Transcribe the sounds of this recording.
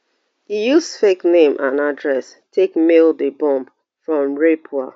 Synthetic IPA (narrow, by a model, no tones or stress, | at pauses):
hijusfeknẽmʔãnadɹɛs | tʰekmelˠdəbɔ̃mp | fɹɔ̃mɹepʰua